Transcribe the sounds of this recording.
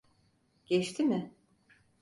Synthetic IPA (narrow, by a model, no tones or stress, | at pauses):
ɟ̥ɛt͡ʃt̪ʰimɪ